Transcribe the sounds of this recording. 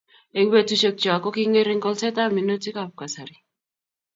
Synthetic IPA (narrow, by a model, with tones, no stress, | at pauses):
e˨we˦tu˦ʃe˦k̚t͡ʃɔ˨a˨kɔ˦ki˦ŋe˦ɾe˦ŋɡɔ˦lsɛ˦ta˦mi˨no˦ti˦ka˦p̚ka˨sa˨ɾi˨